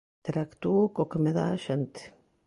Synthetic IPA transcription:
t̪eɾakt̪ukokemeða̰ʃent̪

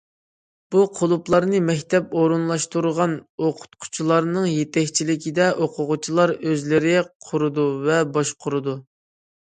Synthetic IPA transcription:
b̥uqʰolˠuplˠɑɾnɨmɛkʲt̪ʰɛpoɾunlˠɑʃt̪uɾʁɑnoqʰʊ̥t̪qʰʊ̥t͡ʃʰilˠɑɾnɨŋjet̪ɛkʲt͡ʃʰilɪkʲid̪ɛʔoqʰʊʁʊt͡ʃʰilˠɑɾøzlɪɾɪɛqʰʊɾɨd̪uvɛbɑʃqʰʊɾɨd̪u

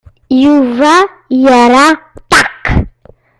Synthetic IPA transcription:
iuva | iaɾat̪ak

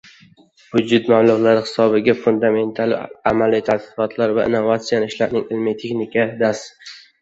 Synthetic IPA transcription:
vʊd͡ʒʊt̪mamlˠʊʁlaɾɪhɪ̥sɒbɪɡʲafʊnd̪ame̞nt̪ʰalɪamalːijt̪ʰat̪ɪ̥qɒt̪ʰlaɾvaɪ̰nːovat̪sijanɪʃlaɾnɪŋɪlmɪt̪ʰeχnɪkʲʰad̪as

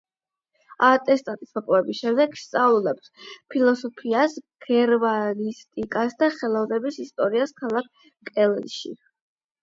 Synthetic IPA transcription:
at̪ʼɛst̪ʼat̪ʼi̥smɔpʼɔɛbisʃɛmd̪ɛɡst̪sʼavlˠulɛpspʰilˠɔsɔpʰiasɡ̥ɛɾmanist̪ʼikʼasd̪aχɛlˠɔvnɛbisist̪ʼɔɾiaskʰalˠak̚ʰ | kʼɛlʃḭ

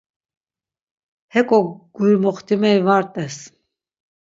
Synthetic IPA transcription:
hɛkʼɔɡ̥ujmɔχt̪ʰimɛivaɾt̪ʼɛs

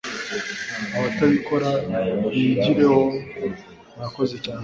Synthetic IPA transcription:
aβataβiko̞ɾaiɟiɾe̞ho̞ | ɾako̞zet͡ʃaːɲe

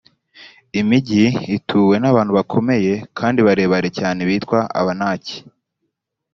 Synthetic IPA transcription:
imiɟiitʰuːwe̞naβaːn̥huβakʰo̞me̞je̞kʰaːndiβaɾe̞ːβaɾe̞caːne̞βiːtkwaa̰βanaːci̥

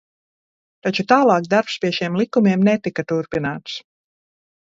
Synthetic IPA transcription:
t̪at͡ʃut̪aːlˠɑːkd̪aɾpspʲiɛʃiɛmlˠikumʲiɛmnet̪ikat̪uɾpinaːt̪s

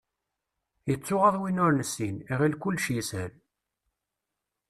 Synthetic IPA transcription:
jət͡sːʊʁəðˤwinʊɾnəsːiniʁilkʊlːʃisæn

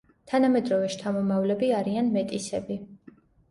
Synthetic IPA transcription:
t̪ʰanamɛd̪ɾɔvɛʃt̪ʰamɔmavlɛbiaɾianmɛt̪ʼisɛbi

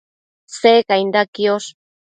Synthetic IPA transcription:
seːkajnd̪akios

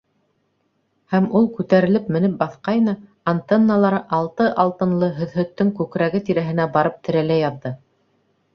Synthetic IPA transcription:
hæmulˠkʉt̪æɾɘ̆lɘpmɘ̆nɘp̚bɑθqɑjnɤ | ɐnt̪enːalˠɑɾɤʔɑlˠt̪ɤʔɑlˠt̪ɤ̆nlˠɤɦɵ̆ðɦɵ̆t̪ːɵŋkʉkɾæɡɘt̪iɾæɦɘ̆næbɑɾɤp̚t̪ʰɘ̆ɾælæjɑðːɤ

